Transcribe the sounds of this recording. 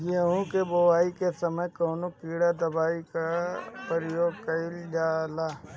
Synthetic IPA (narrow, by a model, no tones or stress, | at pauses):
d͡ʒiəɦũkeboʋaːikesɐməjkoːnokiːɽad̪ɐbaːikapəɾəjoːɡ̚kɐɪld͡ʒaːla